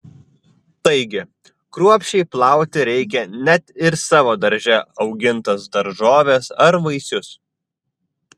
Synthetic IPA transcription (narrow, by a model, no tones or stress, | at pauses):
t̪ɐɪɡʲɪ | kɾuɔpʲʃʲt͡ʃʲɛɪplˠɑˑʊt̪ʲɪɾʲɛɪkʲɛnʲɛt̪ɪɾsɑːʋoːd̪ɐɾʲʒʲɛɒʊɡʲɪnt̪ɐsd̪ɐɾʒoːʋʲesɐɾʋɐɪsʲʊs